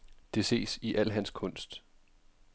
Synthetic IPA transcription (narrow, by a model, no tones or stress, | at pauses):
d̥e̝se̝̰ːsiʔæl̰ɦænskʰɔ̽n̰sd̥